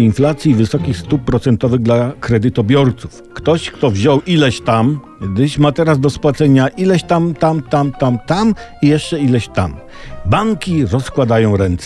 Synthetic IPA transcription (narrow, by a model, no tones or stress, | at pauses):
inflat̪sʲjivɘsɔkʲixst̪upːɾɔt̪sɛnt̪ɔvɘɣd̪lakɾɛd̪ɘt̪ɔbʲjɔɾt̪su̥fkt̪ɔɕkt̪ɔvʑɔwʔilɛɕt̪am | ɡd̪ɘɕmat̪ɛɾazd̪ɔspwat̪sɛɲaʔilɛɕt̪amt̪amt̪amt̪amt̪amijɛʂt͡ʂɛilɛɕt̪am | baŋkʲiɾɔskwad̪ajɔ̃w̃ɾɛnt̪s